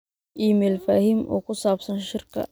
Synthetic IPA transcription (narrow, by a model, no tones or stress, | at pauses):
ʔiːmɛːlfaːhiːmʔɔ̰ːkʰʊsaːbsɐnʃɪrkʰɐ̰